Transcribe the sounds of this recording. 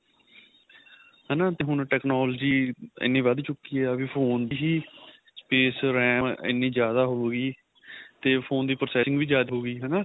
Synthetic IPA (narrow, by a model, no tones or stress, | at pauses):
ɦɛːnaːt̪eːɦʊɳʈɛːknoːld͡ʒiːɪ̰nːĩːʋəd̪t͡ʃʊkːiːɛːəbiːpʰoːnd̪iːɦiː | speːsɾɛ̃ːmɪ̰nːĩːd͡ʒjaːd̪aːɦoːeɡiː | t̪eːpʰoːnd̪iːpɾoːsɛːsɪŋɡʋiːd͡ʒjaːd̪ɦoːɡiːɦɛnaː